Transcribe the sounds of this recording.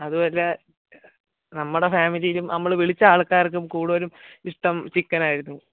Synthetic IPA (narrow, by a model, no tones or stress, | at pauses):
ɐðubo̞ːle | nɐmːuɽefaːmilijilumnɐmːɐɭʋiɭit͡ɕːɐaːɭkːaːrk̬ːumkuːɽuʋɐɾumiʂʈɐmt͡ɕikːɐnaːjiɾunːu